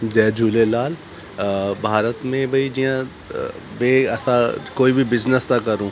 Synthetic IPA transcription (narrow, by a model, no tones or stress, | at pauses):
d͡ʒɛːd͡ʒʱuːlelaːl | bʱaːɾət̪mẽbʱɐid͡ʒiã | beːɛsakoːibʱibɪznəst̪akɐɾũː